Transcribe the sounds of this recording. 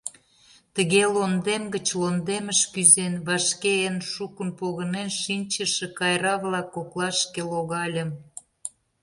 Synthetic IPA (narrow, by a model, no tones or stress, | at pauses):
t̪ə̆ɣelond̪emɡət͡ɕlond̪eməʃkyzenβɑʃkeənʃukənpoɣə̆nenʃinʲt͡ɕəʃə̆kɑjɾɑβlɑkːoklˠɑʃkeloɣɑlʲə̆m